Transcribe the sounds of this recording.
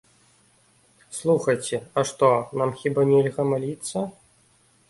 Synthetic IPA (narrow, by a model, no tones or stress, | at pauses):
slˠuxɐjt͡sʲɛɐʂt̪ɔnamxʲibanʲɛlʲɣɐmalʲit̪sːɐ